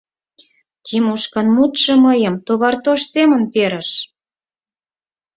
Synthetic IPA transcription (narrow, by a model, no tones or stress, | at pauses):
t̪ʲʰimuʃkɑnmut̪ʃɤ̆mɤjə̆mt̪oβɑrt̪oʃsemə̆npeɾə̆ʃ